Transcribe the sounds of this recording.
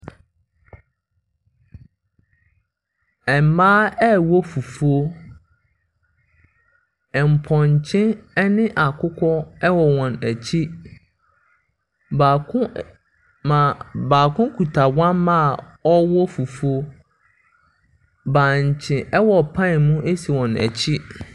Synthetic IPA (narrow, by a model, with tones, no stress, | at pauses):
ɛ˨mmãː˦ɛ˦wɔ˦fu˨fu˦o˦ | ɛ˨m̩˨pʰɔ̃˨ɲ˨t͡ɕʰɪ̃˦ɛ˦nɪ̃˦ʔa˨kʰʊ˦kʰɔ˦ɛ˦wɔ˨wɔ̃˨næ˨t͡ɕʰi˦ | ba˨˦ | mã˨baː˨kʰʊ̃˦kʰu˨tʰa˨wã˦mmã˦˨ | ɔ˦wɔ˦fu˨fu˦o˦ | bãː˨ɲ˨t͡ɕʰɪ̃˨ʔɛ˦wɔ˨pʰã˦˨mũ˦ʔe˦si˨wɔ̃˨næ̰˨t͡ɕʰi˦